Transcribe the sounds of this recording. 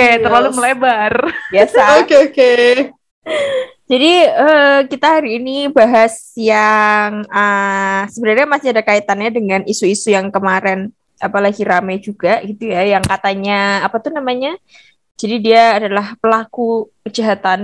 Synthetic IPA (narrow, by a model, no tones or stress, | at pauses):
ket̪ərlaluməlebarbiasaokeoke | d͡ʒadiəkit̪aɦaɾiːnibaɦasjaŋəsəbəɾaɾɲamasiadakait̪anjadəŋanisuisujaŋkəmaɾɛn | apalaɡiɾamajd͡ʒuɡaɡit̪ujajaŋkat̪aɲaːpat̪ʊhnamaɲa | d͡ʒadidiaːdalahpəlakukəd͡ʒaɦat̪an